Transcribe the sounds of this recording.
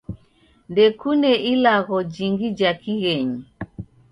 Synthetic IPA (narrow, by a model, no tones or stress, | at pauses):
ndɛkunɛʔilaɣɔd͡ʒiŋɡid͡ʒakiɣɛɲi